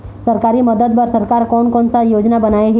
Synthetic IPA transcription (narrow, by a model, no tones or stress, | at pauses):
səɾkaɾiːməd̪əd̪bəɾsəɾkaɾkɔɳkɔɳt͡sajod͡znabənajeɦe